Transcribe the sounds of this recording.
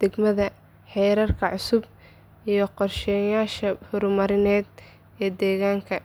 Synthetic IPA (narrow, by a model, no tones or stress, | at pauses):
d̪̥ɛɡmɐðɐ | ħɛjɾɐrkʰɐʕʊsʊb̚ | ʔijɞqɔrʃɛːjaːʃɐhʊɾmɐɾɪnɛːd̪ | ɛːd̪ɛːɣaːŋkʰɐ